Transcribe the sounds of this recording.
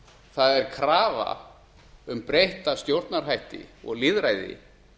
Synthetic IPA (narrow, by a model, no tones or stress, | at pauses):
θaðɛɾ̥kʰɾaːva̰ | ʏmpɾejht̪ast̪jowɾt̪naɾ̥hɦajht̪ɪ̰ɔɣlɪːðɾajðɪ̰